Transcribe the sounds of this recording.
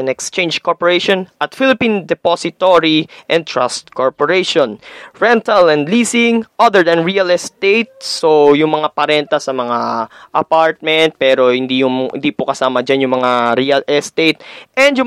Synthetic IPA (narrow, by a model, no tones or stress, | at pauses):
ɐnɛkst͡ʃẽj̃nd͡ʒkoɹpoɹɛjʃonʔɐt̪fɪlɪpind̪ɛposɪt̪oɹiʔɛ̃n̚t̪ɹa̰st̪koɹpoɹeʃonɹɛnt̪ɐlɛ̃nd̪liːsɪŋʔaðɛɹd̪ɐnɹiɐlɛst̪ejt̪̚sojʊŋmɐŋapɐɾɛnt̪ɐsɐmɐŋaʔɐpaɹt̪̚mɛnt̪̚pɛːɾo̞hɪnd̪ijʊŋ̰nd̪ipokɐsaːmɐd͡ʒanjʊŋmɐŋaɾiɐlɛst̪et̪̚ʔɛ̃nd̪jʊ